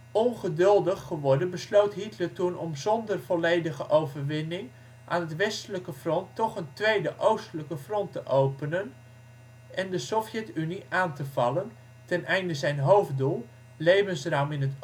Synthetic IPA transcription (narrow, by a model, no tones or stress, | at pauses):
ɔnχədɵlˠdəχːəʋɔɹdənbəslowtɦitləɹtunʔɔmzɔndərv̥ɔlejdəχəʔowvərʋɪnɪŋ | ʔa̰ːnɦətʋɛstələkəfrɔntːɔχəntʋejdəʔowstələkəfrɔntəʔowpənən | ʔɛndəsɔfjɛtyniaːntəv̥ɑlən | tɛnɛjndəzɛjnɦowfdulˠ | lejvənsraːmɪnɦət